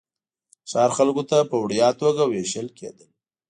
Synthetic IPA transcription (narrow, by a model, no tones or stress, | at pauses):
sɑɾxalkot̪apəwɽjɑt̪oɡaweʃəlkʰḛd̪əl